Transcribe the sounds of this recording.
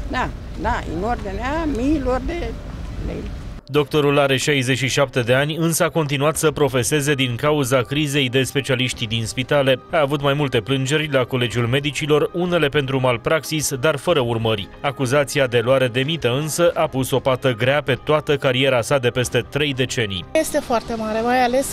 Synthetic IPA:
d̪a | d̪aɨ̰nord̪ineamilord̪e | lḛj | d̪o̞k̚t̪o̞ɾulaɾe̞ʃajze̞t͡ʃʃiʃap̚t̪e̞d̪e̞anʲɨnsəako̞nt̪inuat̪səpɾo̞fe̞se̞ze̞d̪iŋkauzakɾize̞jd̪e̞spe̞t͡ʃialiʃt̪id̪inspit̪ale̞aːvut̪majmult̪e̞plɨnd͡ʒe̞rʲlako̞le̞d͡ʒiulme̞d̪it͡ʃilo̞rune̞le̞pe̞nt̪̬ɾumalpɾaksisd̪arfəɾəurmərʲ | akuzat̪siad̪e̞loaɾe̞d̪e̞mit̪əɨnsəʔapuso̞pat̪əɡɾeape̞t̪oat̪əkaɾie̞ɾasad̪e̞pe̞st̪e̞t̪ɾe̞jd̪e̞t͡ʃe̞nḭjjest̪e̞foart̪e̞maɾe̞majales

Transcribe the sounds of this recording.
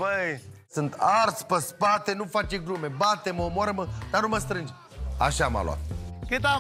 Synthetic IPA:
bəj | sɨnt̪ʰart̪spəspat̪e̞nufat͡ʃeɡɾume̞bat̪eməomoaɾəməd̪̥anuməst̪ɾɨnd͡ʒ | a̰ʃaːma̰lo̰a̰t̪kɨt̪a

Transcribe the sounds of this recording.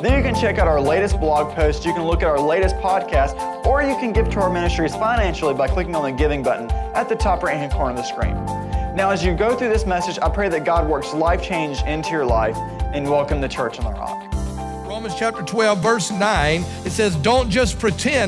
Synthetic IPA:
ðə˞jɨkɨ̃nt͡ʃʰɛkaʊɾaʊə˞leɪɾɨs̚b̥lɑɡ̚pʰoʊstsjɨkɨ̃nlʊkɨɾaʊə˞leɪɾɨspʰɑd̚kʰæst | ə˞jɨkʰɨ̃nɡɪv̥tʰəaʊə˞mɪ̃ñɨstɹ̥iz̥fãɪ̃næ̃nʃl̩ˠibaɪkʰl̥ɪkɪ̃ŋə̃nɨɡɪvɪ̃ŋbʌʔn̩ʔɨt̪̚ðɨtʰɑpɹẽɪ̃nɦɨ̃nkʰɔ̃ɹ̃nðɨskɹḭ̃m | naʊɨzjɨɡoʊθɹʉðɪsmɛsɨd͡ʒaɪpʰɹ̥eɪðɨt̚ɡ̥ɑd̚wɜ˞kslaɪft͡ʃʰẽɪ̃nd͡ʒɪ̃ntʰʉjə˞laɪf | ɨ̃nwɛlˠkɨ̃mðɨt͡ʃʰɜ˞t͡ʃn̩ðə̰ɹɑ̰k̚ | ɹõʊ̃mɨnz̥t͡ʃʰæp̚tə˞tʰw̥ɛlˠvɜ˞snãɪ̃n | ɨtsɛzdõʊ̃nd̥ʒ̥ʌspʰɹ̥itʰɛ̃

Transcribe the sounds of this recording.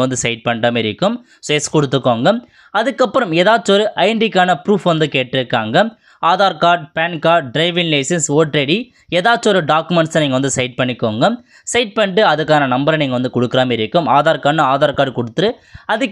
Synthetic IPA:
ɐʋɐnd̪ɯsɐɪʈ̚pɐɳɖaːmɪɾɪkːɯm | seːskɔɽɯt̪ːɯkːoːŋɡɐ | ɐðɯkːɐpːɯɾɐmeːðaːt͡ʃːɔɾɯʔɐɪɳɖɪkːaːnɐpɾuːfʋɐnd̪ɯkeːʈːɪɾɯkːaːŋɡɐ | aːðaːɾkaːɾʈ̚peːnkaːɾʈ̚ɖɾɐɪʋɪŋlɐɪsɐnsoːʈɾeɽi | eːðaːt͡ʃːɔɾɯɖaːkːɯmɛɳʈsɛniːŋɡɐʋɐnd̪ɯsɐɪʈ̚pɐɳːɪkːoːŋɡɐ | sɐɪʈ̚pɐɳɖɯɐðɯkːaːnɐnɐmbɐɾɐniːŋɡɐʋɐnd̪ɯkɔɽɯkːɯɾaːmɪɾɪkːɯmaːðaːɾkaːnɐaːðaːɾkaːɾɽkɔɽɯt̪ːɯɾɯ | ɐðɯkː

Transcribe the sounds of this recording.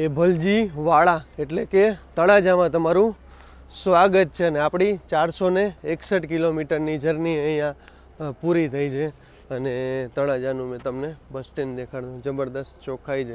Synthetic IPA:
ebʱəld͡ʒiʋaɭaeʈleket̪əɭad͡ʒamãt̪əmaɾũ | sʋaɡət̪̚t͡ʃʰeəneapɽit͡ʃaɾsoneːksəʈkilomiʈəɾnid͡ʒʱəɾniəijã | puɾit̪ʰəit͡ʃʰe | ənet̪əɭad͡ʒanũmẽt̪əmnebəsʈend̪ekʰaɽd̪ũd͡ʒəbəɾd̪əst̪t͡ʃokʰajd͡ʒʰe

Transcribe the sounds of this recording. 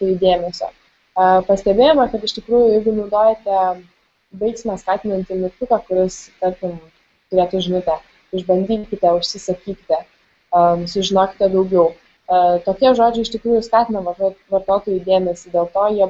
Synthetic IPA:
t̪ʊid̪ʲeːmʲɛsʲo̰ː | ɐpɐsʲt̪ʲɛbʲeːjɛmɐkɐt̪ɪʃʲt̪ʲɪkɾuːjʊjɛɪɡʊnɐʊd̪oːjɛt̪ʲɛ | bɐɪksʲɪmɑskɑːt̪ʲɪnɐnʲt̪ʲɪmʲɪkt̪ʊkɑkʊɾʲɪst̪ɐɾʲkʲɪm | t̪ʊɾʲeːt̪ʊʒʲɪnɐt̪ʲɛ | ɪʒbɐnʲd̪ʲiːkʲɪt̪ʲɛʊʃʲsʲɪsɐkʲiːkʲɪt̪ʲɛ | sʊʒʲɪnoːkʲɪ̥t̪ʲɛd̪ɐʊɡʲɛʊ | t̪oːkʲiɛʒoːd͡ʒʲʊɪɪʃt̪ʲɪkɾuːjʊskɑːt̪ʲɪnɐʋɐʋɐɾt̪oːt̪oːjud̪ʲeːmʲɛsʲɪdʲeːlˠt̪oːjiɛ

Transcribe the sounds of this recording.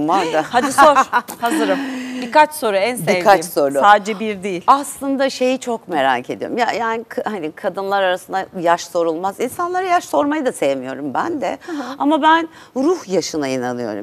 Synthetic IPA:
maɾd̪ahad̪isoɾhazɯɾɯmbikat͡ʃso̞ɾuænsb̪eikʰːiat͡ʃsoɾuaːd͡ʒibiɾd̪ijilʲaslˠɯnd̪aʃe̞jit͡ʃʰo̞kme̞ɾa̰ːcʰe̞d̪ijo̰ɾumjajaːnikʰhanikʰad̪ɯnlˠaɾaɾasɯnd̪ajaʃso̞ɾulˠmazinsanlˠaɾajaʃso̞ɾmajad̪ase̞jemijo̞ɾumbænd̪ɛamabæn | ɾuhjaʃɯnainanɯjo̞̰ɾṵm

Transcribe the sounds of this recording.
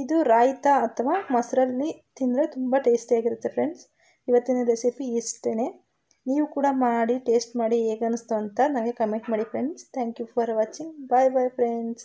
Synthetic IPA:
id̪uɾaːjit̪ɐːt̪ʰːɐʋaːmɐsɾɐlːit̪ind̪ɾet̪umbɐʈe̞ːsʈaːɡiɾut̪ːe̞pʰɾeɳɖs | iʋɐt̪ːinɐɾesepiːsʈene | niːʋukuːɽɐmaːɽiʈe̞ːsʈmaːɽieːɡɐnust̪ɐʋɐnt̪ɐnɐmɡekɐmeɳʈmaːɽipʰɾeɳɖst̪ʰɛːŋkjupʰɐɾʋaːt͡ʃiŋɡbɐjbɐjpʰɾeɳɖs

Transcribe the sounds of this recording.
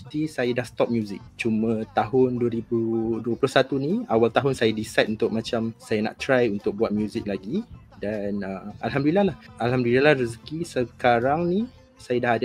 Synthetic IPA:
t̪isajadahst̪ɔp̚mjuzɪk̚t͡ʃumə̃t̪aɦʊnduəɾibuduəplʊhsat̪uniawalt̪aɦʊnsajadisajt̪unt̪ʊk̚mãt͡ʃamsajana̰ʔt̪ɾajunt̪ʊk̚buat̪̚mjuzik̚laɡi | danəmalɦamduilːalahalɦamdulilalahɾəskisəkaɾaŋni | sajadahad

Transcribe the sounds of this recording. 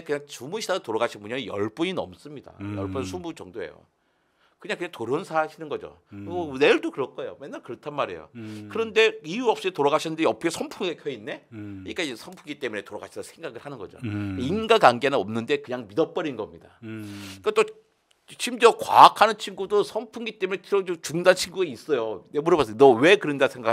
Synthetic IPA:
ekɯɲaŋt͡ɕumuɕʰidadotoɾaɡaɕʰinmuɲajʌɭp͈uɲinʌms͈ɯmɲida̰jʌɭp͈uns̬ʰumut͡ɕʌŋdoe̞̰jo̰ | kɯɲaŋkɯɲaŋtoɾonsʰaɕʰinɯnɡʌd͡ʑo̰ne̞ɭdokɯɾʌk͈ojo̰menːaɭkɯɾʌtʰanmaɾe̞̰jo̰kɯɾʌnde̞iuʌp̚s͈itoɾaɡaɕʰinɯndeʌpʰʌkʰesʰʌmpʰuŋɡekʰjʌinːe̞̰ik͈asʰʌmpʰuŋɡit͈e̞mune̞toɾa̰ɡa̰ɕʰidasʰe̞ŋɡaɡɯɭhanɯnɡʌd͡ʑo̰inɡakaŋɡenɯnʌmnɯnde̞kɯɲaŋmidʌp͈ʌɾinɡʌmɲida̰ik͈at͈o | t͡ɕʰimd͡ʑʌkwa̰ːkʰanɯnt͡ɕʰiŋɡudosʰʌmpʰuŋɡit͈e̞munet͡ɕʰod͡ʑot͡ɕuŋdant͡ɕʰinɡuɡais͈ʌjonemuɾʌbas͈ɯnʌwe̞kɯɾɯndasʰeŋɡa

